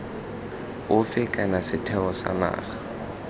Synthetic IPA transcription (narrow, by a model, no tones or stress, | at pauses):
ʊfɪkʼanasɪtʰɛɔsa̰ma̰ːχḁ